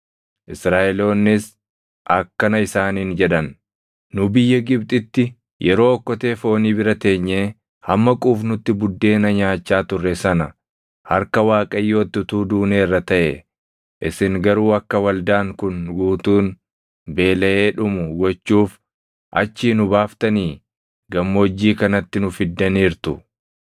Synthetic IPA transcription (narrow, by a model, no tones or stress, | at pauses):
ʔɪsɾaːʔɛlo̞ːnːɪs | ʔɐkːɐnɐɪsaːniːnd͡ʒɛᶑɐn | nʊbɪjːɐɡɪbt̪ʼɪt̪ːɪ | jʔɛɾo̞ːɔkːɔt̪e̞ːfo̞ːniːbɪɾɐt̪eːɲːeː | hɐmːɐkʼuːfnʊt̪ːɪbʊd̪ːe̞ːnɐɲaːt͡ʃːaːt̪ʊrːɛsɐnɐ | hɐɾkɐwaːkʼɐjːo̞ːt̪ːʊt̪uːd̪uːneːrːɐt̪ɐʔɛ̰ | ʔɪsɪŋɡɐɾuːɐkːɐwɐld̪aːŋkʊnɡuːt̪uːn | be̞ːlɐʔe̞ːᶑʊmʊɡɔt͡ʃːuːf | ʔɐ̰t͡ʃːiːnʊbaːft̪ɐniː | ɡɐmːoːd͡ʒːiːkɐnɐt̪ːɪnʊfɪd̪ːɐniːɾt̪ʊ